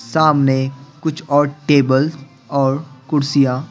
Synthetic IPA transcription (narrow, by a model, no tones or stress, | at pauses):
saːmnekʊt͡ʃʰɔːɾʈeːbəl | ɔːɾkʊɾsijã